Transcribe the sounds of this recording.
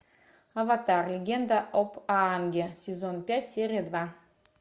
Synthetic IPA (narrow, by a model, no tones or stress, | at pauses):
avat̪arlʲɪɡʲend̪aʔopʰanɡʲesʲezonpʲætʲsʲeɾʲijad̪va